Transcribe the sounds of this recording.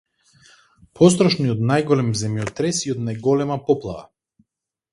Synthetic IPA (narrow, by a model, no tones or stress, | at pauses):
pʰɔst̪ɾɔʃniɔt̪najɡɔlɛmzɛmjɔt̪ɾɛsiɔd̪najɡɔlɛmapɔplˠava̰